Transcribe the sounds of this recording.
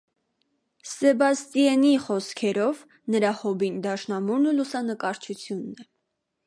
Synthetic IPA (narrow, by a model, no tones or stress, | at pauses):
sɛbɑst̪ijɛniχɔskʰɛɾɔv | nəɾɑhɔbind̪ɑʃnɑmuɾnəlusɑnəkɑɾt͡ʃʰut͡sʰjunːɛ